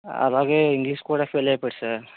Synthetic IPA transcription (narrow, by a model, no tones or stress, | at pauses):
ɐ̰ðaːɣɐɪŋɡliːskuːɽɐfeːleːpɐɽsaːɾ